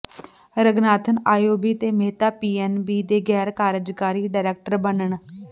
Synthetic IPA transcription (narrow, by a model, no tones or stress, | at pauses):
ɾəɡnaːt̪ʰənaːjoːbiːt̪eːmeːt̪aːpiːɛnbiːd̪eːɡɛːɾkaːɾəd͡ʒkaːɾiːɖaːɾɛːk̚ʈəɾbənəɳ